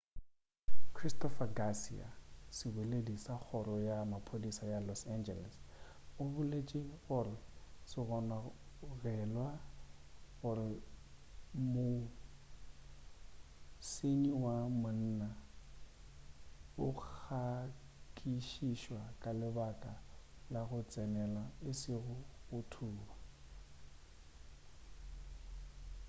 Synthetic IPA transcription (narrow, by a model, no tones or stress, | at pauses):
kʰristɔfaɡasḭa̰sɪbeledisak͡xʰɔɾɔjamapʰodisajalɔsand͡ʒɛlɛs | ʊbʊlet͡ʃʼɪɣʊrɪsɪɣɔna | ɣɛlwa | ɣʊɾɪ | mʊ | seniwamʊn̩na | ʊk͡xk͡xʰa | kʼiʃiʃwakʼalɪbakʼalaɣʊt͡sʼɛnɛlaɪsɪɣʊɣʊtʰuːba